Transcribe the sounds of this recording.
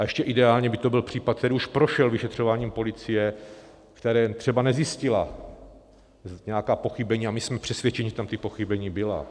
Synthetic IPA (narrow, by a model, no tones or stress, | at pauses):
ʔaɛʃcɛʔɪdɛaːlɲɛbɪt̪o̞bɪlpr̝̥iːpat̪̚k̪̚t̪ɛɾiuʃpɾoʃɛlvɪʃɛt̪r̝̥o̞vaːɲiːmpo̞lɪt͡sɪjɛ | kt̪ɛɾɛːt̪r̥ɛbanɛzjɪscɪla | ɲɛjakaːpo̞xɪbɛɲiːamɪsmɛpr̥ɛsvʲjɛt͡ʃɛɲiʒɛt̪amt̪ɪpo̞xibɛɲiːbɪla̰